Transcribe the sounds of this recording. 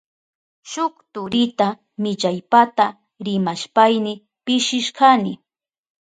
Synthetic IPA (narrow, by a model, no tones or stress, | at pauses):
ʃʊkt̪ʊɾɪt̪a | mɪʎajpat̪a | ɾɪmaʃpajnɪ | pɪʃɪʃkanɪ